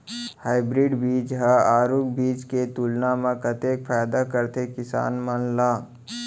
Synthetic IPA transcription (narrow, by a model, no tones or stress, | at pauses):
haːɪbɾiːɖbiːd͡ʒɦaaːɾuːk̚biːt͡ʃket̪uːlnamãkət̪eːkfʰaːjd̪akəɾt̪ekɪsa̰ːnmɐnlaː